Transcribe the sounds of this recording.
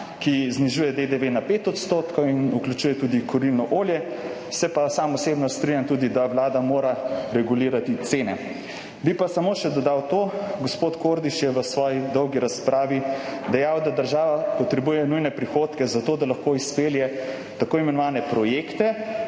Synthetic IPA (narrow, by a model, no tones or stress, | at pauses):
kizniʒuːjɛd̪ed̪eʋenapet̪ɔt̪st̪oːt̪kɔinuklʲjut͡ʃuːjɛt̪uːd̪ikɔɾilnɔʔoːljɛ | sɛpasamɔsebnɔst̪ɾiɲjant̪ud̪id̪awlaːd̪amoːɾaɾɛɡuliːɾat̪it̪seːnɛ | bipasamoːʃɛd̪ɔd̪awt̪oːɡospot̪koɾd̪iʃjɛʋəsʋɔːjid̪ɔwɡiɾaspɾaːʋid̪ɛjawd̪ad̪əɾʒaːʋapɔt̪ɾɛbuːjɛnujnɛpɾixoːt̪kɛzat̪oːd̪alɐxkoispeljɛ | t̪akoːimɛnɔʋaːnɛpɾɔjekt̪ɛ